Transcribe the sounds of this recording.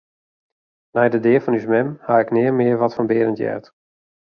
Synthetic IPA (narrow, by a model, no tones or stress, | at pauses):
nɛjdədɪəfɔnysmɛmhaɪknɪːərmɪərʋɔtfɔnbɪəɾəntjɛ̰t